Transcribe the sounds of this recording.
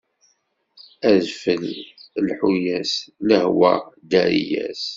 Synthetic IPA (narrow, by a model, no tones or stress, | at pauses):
æðfəllħujæsləhwæd̪æɾijæ̰s